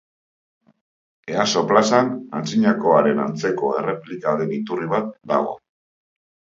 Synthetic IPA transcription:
e̞aso̞plasanant͡siɲako̞aɾe̞na̰nt͡se̞ko̞e̞̰re̞plikaðe̞nit̪uriβ̞at̪̚d̪a̰ɣo̞̰

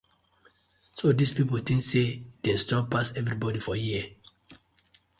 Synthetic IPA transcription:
sodispipoltĩŋsed̥ɛ̃stɔpasɛvɹibɔdifɔji

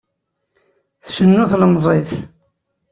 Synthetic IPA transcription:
θʃənːʊθləmzˤeθ

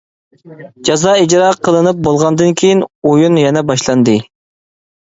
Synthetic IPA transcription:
d͡ʒɑzɑid͡ʒɾɑqʰəlˠɨnɨp̚bolˠʁɑnd̪ɨnkʲʰejinojunjɛnɛbɑʃlˠɑnd̪ɨ

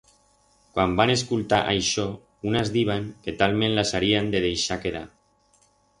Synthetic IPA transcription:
kwambaneskult̪aʔajʃɔ | unazðiβ̞aŋket̪almẽnlasaɾiand̪eð̞ejʃakeð̞a̰

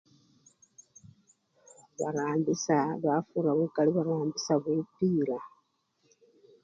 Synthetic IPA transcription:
βa̰ɾaːmbisaβafuɾaβekaliβaɾaːmbisaβwepiːɾa

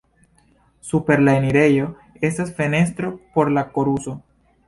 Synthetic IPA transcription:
supe̞ɾlaeniɾe̞jo̞ | e̞stasfe̞ne̞st̪ɾo̞po̞ɾlako̞ɾuso̞

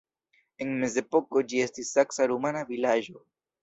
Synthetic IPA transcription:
e̞nme̞ze̞po̞ko̞d͡ʒie̞stisːaksaɾumanavilaʒo̞

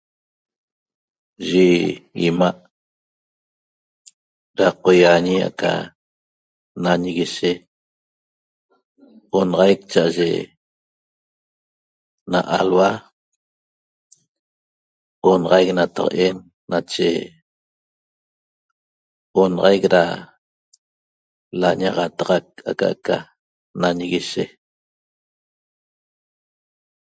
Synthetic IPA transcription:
ʒiimaʔ | ɾaqojaɲija̰ʔka̰ | naɲiɣiʃe | onʁɑjk̚t͡ʃaʔaʒḛ | na̰ʔalwa | onʁɑjk̚nat̪ɑqʔenː | at͡ʃḛ | onʁɑjkɾa̰ | laɲaʁɑt̪ɑʁɑk̚akaʔka | naɲɣiʃe

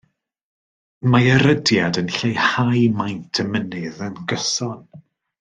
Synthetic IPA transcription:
maəɾədjadənɬejhajmajntʰəmənɨðənɡəsɔn

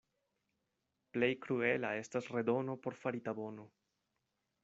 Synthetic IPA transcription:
ple̞jkɾue̞lae̞stasre̞do̞no̞po̞ɾfaɾitabo̞no̞

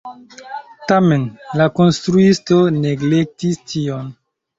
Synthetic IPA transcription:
tamenlakonstɾuisto̞neɡlek̚tistʰion

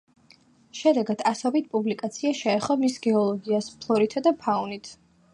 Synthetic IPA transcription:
ʃɛd̪ɛɡad̪̥asɔbit̪̚ʰpʼublikʼat̪sʰiaʃɛːχɔmisɡɛɔlˠɔɡiaspʰlˠɔɾit̪ʰad̪apʰaunit̪ʰ

